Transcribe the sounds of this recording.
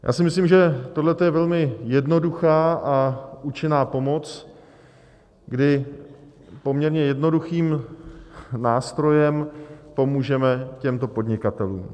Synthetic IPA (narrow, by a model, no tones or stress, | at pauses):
jʔa̰ːsɪmɪsliːmʒɛt̪o̞dlɛt̪ojɛvɛlmɪjɛdno̞duxaːʔaʔut͡ʃɪnaːpo̞mo̞t͡s | ɡdɪ | po̞mɲɛɾɲɛjɛdno̞duxiːm | naːst̪ɾo̞jɛmpo̞muːʒɛmɛcɛmt̪o̞po̞dɲɪkat̪ɛlṵːm